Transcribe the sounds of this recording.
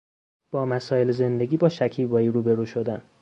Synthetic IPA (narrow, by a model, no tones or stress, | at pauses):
b̥ɒːmæsɒːje̞leze̞nd̪e̞ɡʲiːbɒːʃæcʰiːvɒːiːɾuːbe̞ɾuːʃod̪æn